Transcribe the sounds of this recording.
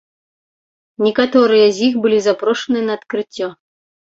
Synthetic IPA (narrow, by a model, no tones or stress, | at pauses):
nʲɛkat̪ɔɾɨjɐzʲixbɨlʲizapɾɔʂɐnɨnɐːt̪kɾɨt͡sʲːɔ